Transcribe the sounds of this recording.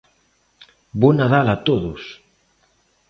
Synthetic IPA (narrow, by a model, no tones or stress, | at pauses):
bonaðalat̪oðʊs